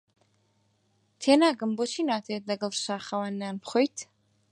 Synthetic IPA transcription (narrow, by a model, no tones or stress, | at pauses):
t̪ʰɛnaːɡəmbɔt͡ʃʰinat̪ʰɛːt̪̚d̪aɡəlˠʃaːχawanːanpʰχɔjt̪ʰ